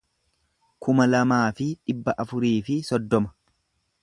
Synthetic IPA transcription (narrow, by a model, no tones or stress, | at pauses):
kʊmɐlɐmaːfɪᶑɪbːɐʔɐfʊɾiːfɪsɔd̪ːɔmɐ̥